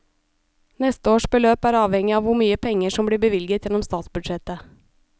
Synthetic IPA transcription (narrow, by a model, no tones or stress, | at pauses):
nɛst̪əoːʃbəløːpæːɾɑːʋhɛŋɪɑːʋʊmyːəpʰɛŋəʂɔmbɽiːbəʋɪlɡət̪jɛnɔmst̪ɑːt̪sbʉd̪ʃɛt̪ə